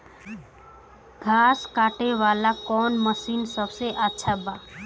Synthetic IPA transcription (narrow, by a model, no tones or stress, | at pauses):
ɡʱaːskaːʈeʋaːlakɔːnməsiːnsəbseʔətːʃʰabaː